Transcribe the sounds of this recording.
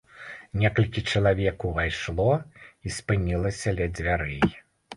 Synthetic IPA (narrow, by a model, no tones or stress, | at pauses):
nʲɛkɐlʲkʲit͡ʂɐlˠavʲɛkuvajʂlˠɔispɨnʲilˠɐsʲɐlʲɛd͡zʲvʲaɾɨj